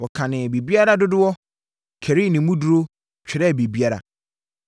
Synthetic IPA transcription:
wɔ˨kʰã˨nɪ̃˨be˨bi˦a˦ɾa˦dʊ˦dʊ˦wɔ˦ | kʰɛ˨ɾi˦˨nɪ̃˨mũ˦du˦ɾo˦ | t͡ɕᶣʰɪ˨ɾɛ˦˨be˨bi˦a˦ɾa̰˨

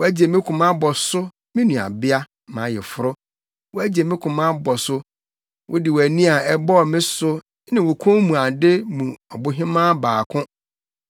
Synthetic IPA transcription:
wʊ˨˦æ˦d͡ʑe˨mɪ̃˦kʰʊ̃˨mã˦bɔ˨sʊ˦ | mɪ̃˦nũ˨a̰˨bɪ˦a˦ | mã̰˨˦˨jɛ˨fʊ˨ɾʊ˦ | wʊ˦æ˦d͡ʑe˨mɪ̃˦kʰʊ̃˨mã˦bɔ˨sʊ˦ | wʔʊ̰˦dɪ˨wæ˨nĩ˦a˨ɛ˦bɔ˦˨mɪ̃˦sʊ˦ | nɪ̃˨wʊ˨kʰʊ̃˦mũ˨a˨dɪ˦mũ˨ɔ˨bʊ˦ɦɪ̃˦mãː˦baː˨kʰʊ̃˦

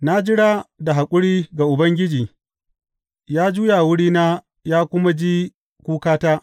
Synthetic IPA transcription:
na˦d͡ʒɪ˦ɽa˦da˨ɦa˨kʷʼʊ˦ɽiː˦ɡa˨ʔʊ˨bɐ˦ŋɡʲɪ˦d͡ʒiː˨ | jaː˦d͡ʒuː˦ja˨wʊ˦ɽiː˦naː˦ | jaː˦kʷʊ˦ma˦d͡ʒiː˦ | kʷuː˦kaː˦taː˦

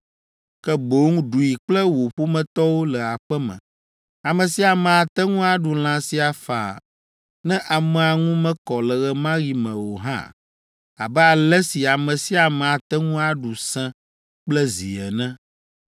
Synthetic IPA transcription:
kɛ˦bo˦ŋũ˦ɖu˨ji˨k͡plɛ˦wo˨ɸu˦mɛ̃˨t̪ɔ˦wo˦lɛ˨a˨ɸɛ˦mɛ̰̃˨ | a˨mɛ̃˨si˦a˨mɛ̃˨a˨t̪ɛ˦ŋũ˦a˦ɖu˨l̃ã˨si˦a˨fa̰˨ | nɛ̃˦ʔa˨mɛ˨a˨ŋũ˦mɛ̃˦kɔ˨lɛ˨ɣɛ˨mã˦ɣi˨mɛ̃˨wo˨ɦã̰˦ | a̰˨bɛ˦a˨lɛ˦si˨a˨mɛ̃˨si˦a˨mɛ̃˨a˨t̪ɛ˦ŋũ˦a˨ɖu˨sɛ̃˦ | k͡plɛ˦zḭ˨ɛ˨nɛ̃˦

